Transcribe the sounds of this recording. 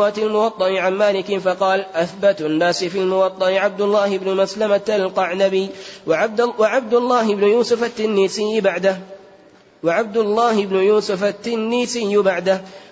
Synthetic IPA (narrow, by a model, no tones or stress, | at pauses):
aːt̪almʊwɑt̪ˤːɑʔɪʕanmaːlɪkɪfɑqɑːlʔaθbat̪ʔanːaːsɪfilmʊwɑt̪ˤːɑʔɪʕab̚d̪ʊlːaːhɪbnʊmaslamat̪alqɑʕnabɪ | waʕab̚d̪ʊlˤːɑːɦɪbnʊjuːsʊfat̪ːɪnːiːsɪjːɪbaʕd̪a | waʕab̚d̪ʊlˤːaːhɪbnʊjuːsʊfat̪ːɪnːiːsɪjːʊbaʕd̪ah